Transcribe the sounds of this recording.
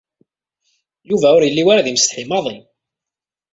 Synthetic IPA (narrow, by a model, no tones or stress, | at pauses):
juvæʊɾjəlːiwaɾaðimst̪ħimɑðˤin